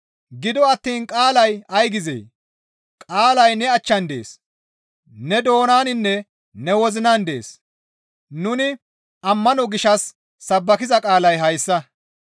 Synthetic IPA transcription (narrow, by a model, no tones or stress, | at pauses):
ɡɪd̪ɔɐt̪ːiːnkʼaːlɐjɐjɡɪzḛː | kʼaːlɐjnɛɐt͡ʃːɐnd̪e̞̰ːs | nɛd̪o̞ːnaːnɪnːɛ | nɛwɔzɪnand̪e̞̰ːs | nʊnɪ | ɐmːɐnɔɡɪʃɐsː | ɐbːɐkɪzɐkʼaːlɐjɦɐjsːɐ